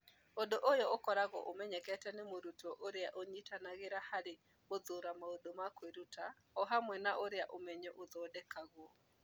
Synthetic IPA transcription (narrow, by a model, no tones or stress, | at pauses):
odoʔojɔokɔɾaɣɔʔomɛɲɛkɛtɛnemoɾutɔʔoɾeaʔoɲitanaɣeɾahaɾe | oðoɾamaodomakweɾutʰa | ɔɦamwɛnaʔoɾeaʔomɛɲɛʔoðɔːdɛkaɣwɔ